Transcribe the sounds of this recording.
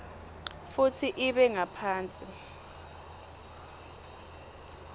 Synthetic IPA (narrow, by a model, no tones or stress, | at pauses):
futʰiʔiɓɛŋapʰaːnt͡sʼi